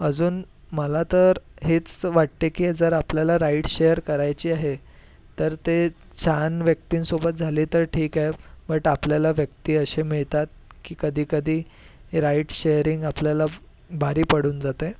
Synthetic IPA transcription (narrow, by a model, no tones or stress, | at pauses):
əd͡zuːn | məlat̪əɾɦet͡sʋaʈ̚t̪ekiːd͡zəɾapljalaɾaiʈɕejəɾkəɾajt͡ɕiːaɦe | t̪əɾt̪e | t͡ɕʰanʋjək̚t̪iːnsobət̪̚d͡zʱaliːt̪əɾʈʰiːkaɦebəʈapljalaʋjək̚t̪iːəɕemiɭt̪at̪̚kiːkəd̪ʱiːkəd̪ʱiː | ɾaiʈɕejəɾiŋɡapljala | bʱaɾiːpəɽ̤uːnd͡zat̪e